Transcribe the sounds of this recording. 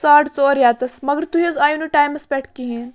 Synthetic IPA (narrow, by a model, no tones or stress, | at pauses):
t͡saːʈʰt͡soːɾjaːt̪ɐsmɐɡəɾt̪uɦezajunuʈaːjmɐspʲɛʈkiɦin